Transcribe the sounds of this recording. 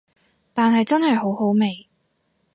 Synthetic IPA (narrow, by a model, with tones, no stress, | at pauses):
t̪aː˨nɦɐ˨jt͡sɐ˥nhɐ˨jɦo˨˧˥who˨˥wme˨˩j